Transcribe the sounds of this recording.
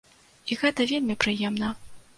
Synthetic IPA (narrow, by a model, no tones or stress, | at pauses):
iɣɛt̪ɐvʲelʲmʲipɾɨjɛmnɐ